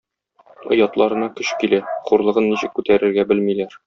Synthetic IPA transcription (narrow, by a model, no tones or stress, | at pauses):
ŏjɑt̪lˠɑɾɤ̆nɑkɵɕkilæχuɾlˠɤ̆ʁɤnːiɕɘ̆kːʉt̪æɾɘ̆ɾɡæbɘlmilæɾ